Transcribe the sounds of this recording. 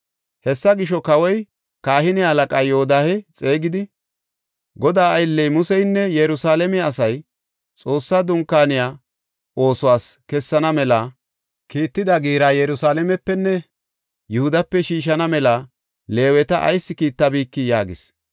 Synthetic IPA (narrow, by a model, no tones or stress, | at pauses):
hɛsːɐɡɪʃɔkɐwɔj | kaːhɪnɪɐlɐkʼaːjoɔd̪aːhɛt͡sʼe̞ːɡɪd̪ɪ | ɡɔd̪aːɐjlːɛjmʊsɛjnːɛjɛɾʊsaːlɛmɛɐsɐj | t͡sʼo̞ːsːaːd̪ʊŋkːaːnɪjaː | ʔo̞ːsʊwaːskɛsːɐnɐmɛlɐ | kiːt̪ːɪd̪ɐɡiːɾaːjɛɾʊsaːlɛmɛpːɛnːɛ | jʊhʊd̪ɐpːɛʃiːʃ̬ɐnɐmɛlɐ | le̞ːwɛt̪ɐʔɐ̰jsːɪkiːt̪ːɐbiːkːijaːɡɪ̰s